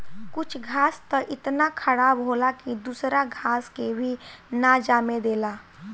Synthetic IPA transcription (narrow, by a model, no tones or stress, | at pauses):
kʊt͡ʃʰɡʱaːst̪əʔɪt̪nakʰəɽaːbɦoːlakid̪uːsɾaɡʱaːskebʱinad͡ʒaːmed̪eːlaː